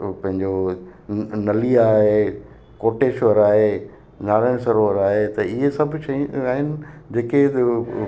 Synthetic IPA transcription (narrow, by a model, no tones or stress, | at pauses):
pɐ̃ɦɪ̃ɲd͡ʑo | nɐliaːɦe | koːʈeːʃʋɐɾaːɦe | naːɾaːɪɽ̃sɐɾoʋəɾaːɦet̪ɐɪɦesɐbʱʊʃɐjaːɦɪnɪ̆d͡ʑeːke